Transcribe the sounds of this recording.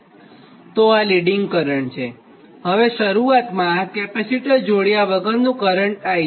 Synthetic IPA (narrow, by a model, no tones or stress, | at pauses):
t̪oaliɖiŋɡkəɾəɳt͡ʃʰe | ɦəʋeʃəɾuat̪mãkɛpesiʈəɾd͡ʒoɽjaʋəɡəɾnũkəɾəɳʈaj